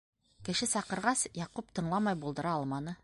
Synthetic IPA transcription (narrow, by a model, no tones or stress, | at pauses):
kɘ̆ʃɘsɑqɤ̆ɾʁɑsjɑqup̚t̪ʰɤ̆ɴlˠɑmɑjbulˠd̪ɤ̆ɾɑɑlˠmɑnɤ